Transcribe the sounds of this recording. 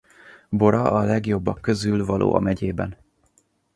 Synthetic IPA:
bo̞ɾɒʔɒlɛɡjo̞bːɒkːø̞zylvɒlʔo̰ːʔɒ̰mɛɟeːbɛn

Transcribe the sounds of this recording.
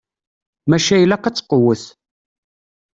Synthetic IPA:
mæʃæjlæqɑt͡sːə̥qəwəθ

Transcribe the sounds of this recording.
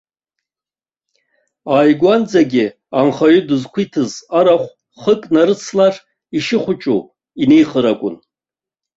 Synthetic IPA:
ajɡʷand͡zaɡʲɪ | anχaɥʊdɨzkʷʰitʰɨzaɾaχʷ | χəkʼnaɾɨt͡sʰlar | iʃɪχʷʊt͡ʃʼu | inejχəɾakʷʼʊ̰n

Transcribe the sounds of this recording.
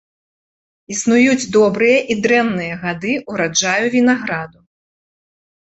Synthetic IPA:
isnujud͡zʲd̪ɔbɾɨjɐʔid̪ɾɛmnɨjɐɣad̪ɨuɾad͡ʐajuvʲinaɣɾad̪u

